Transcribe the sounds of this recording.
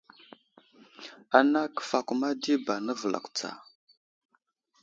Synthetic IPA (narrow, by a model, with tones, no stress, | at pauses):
a˨na˦kə̥˨fa˨ku˨ma˦di˦ba˨nə˦və˨lʔa̰˨kt͡sa̰˨